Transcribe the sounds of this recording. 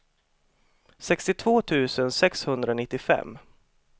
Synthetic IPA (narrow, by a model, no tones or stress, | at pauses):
sɛkst̪ɪt̪ʰv̥oːt̪ʰʉ̟ːsənsɛkshɵnd̪ɾaɔnɪt̪ːɪfɛ̰mː